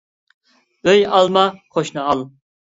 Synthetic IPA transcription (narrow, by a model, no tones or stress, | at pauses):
øjɑlˠmɑqʰoʃnɨɑlˠ